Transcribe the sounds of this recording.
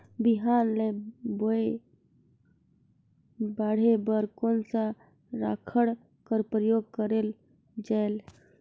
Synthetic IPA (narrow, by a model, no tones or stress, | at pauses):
biɦaɾleboe | baɽ̤ebəɾkonsa | ɾakʰəɽ | kəɾpɾəjoɡ̚kəɾel | d͡ʒael